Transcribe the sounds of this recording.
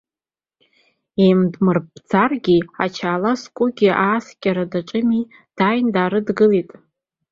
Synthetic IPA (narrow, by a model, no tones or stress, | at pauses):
emdmɨrbʰd͡zarɡʲiat͡ʃʰaːlaskʷʼʊɡʲiʔaːskʲʼaɾadaʈ͡ʂʼɨmi | d̥ajndaːɾɨdɡɨlitʼ